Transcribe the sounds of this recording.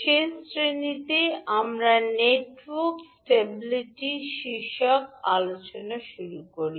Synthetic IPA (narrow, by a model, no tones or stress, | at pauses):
ʃesɾenit̪eʔamɾaneʈwoɾksʈebiliʈiʃiʃɔkalot͡ɕonaʃuɾukoɾi